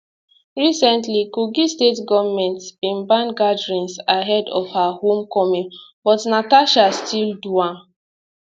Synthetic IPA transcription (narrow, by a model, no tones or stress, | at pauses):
ɹisɛ̃ntlikuɡistetɡɔvmɛ̃ntsĩnbãnɡadɹĩnsaɦɛdɔfhahõmkɔmĩnbɔtnataʃastʰilduãn